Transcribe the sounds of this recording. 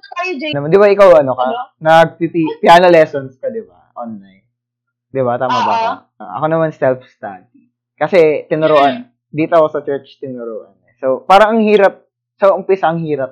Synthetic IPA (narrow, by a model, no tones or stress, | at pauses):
ajd͡ʒnɐmand̪ɪbaʔɪkawʔɐnokɐnɐɡ̚pipipɪaːnɐlɛːsonskɐd̪ɪbaʔonlɐj | d̪ɪbat̪aːmɐbaʔa̰ʔɐ̰ko̞nɐmansɛlfst̪a̰d̪̚i | kɐsɛt̪ɪnʊɾoːʔɐn | d̪iːt̪okosɐt͡ʃɛɹt͡ʃt̪ɪnʊɾoːʔɐ̰nɛsowpaːɾɐŋɐŋhiːɾɐp̚ | sɐʔʊmpisɐɐŋhiːɾɐp̚